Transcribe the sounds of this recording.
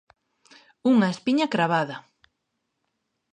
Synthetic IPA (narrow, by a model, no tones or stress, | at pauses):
uŋɐespiɲɐkɾaβ̞aðɐ